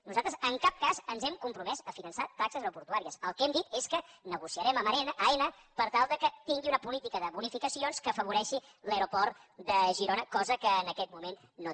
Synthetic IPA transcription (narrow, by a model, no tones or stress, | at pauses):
nuzalt̪ɾəzəŋkap̚kazənzɛmkumpɾumɛzəfinənsat̪ːaksəzəpuɾt̪uaɾiəsəlˠkɛmd̪it̪eskənəɣusiəɾɛməməɛnəenə | pəɾt̪alˠd̪əkət̪iŋɡiunəpulit̪ikəðəβunifikəsionskəːfəβ̞uɾɛʃi | ləɾupɔɾd̪əʒiɾonəkɔzəkəːnəkɛt̪̚mumenːo